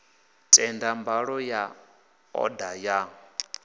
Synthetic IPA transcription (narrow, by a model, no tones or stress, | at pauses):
tʼɛndambaɺɔja | ɔ̰dajaŋ̩